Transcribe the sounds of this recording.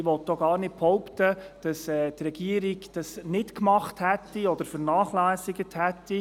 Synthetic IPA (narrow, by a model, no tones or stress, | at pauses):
ʋɔt̪ːoɡɑːrnɪtphɔwptə | d̥ɑsɛːtrɛɡ̥iəɾiɡd̥ɑsnɪtkmɑχthɛtːiɔd̥̪əɾfəɾnaːχlæːsiɡəthætːi